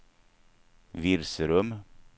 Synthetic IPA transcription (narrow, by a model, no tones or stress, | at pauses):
ʋɪɾsəɾʉm